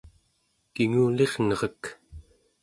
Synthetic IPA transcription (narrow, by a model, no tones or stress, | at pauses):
kiŋuːle̞ʁnʌʁək